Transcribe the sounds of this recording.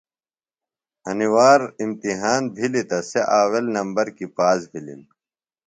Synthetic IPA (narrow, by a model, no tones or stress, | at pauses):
ɐniwaːɾimt̪iɦaːnbʱilit̪ɐseʔaːwelnɐmbɐɾkipaːsbʱilḭl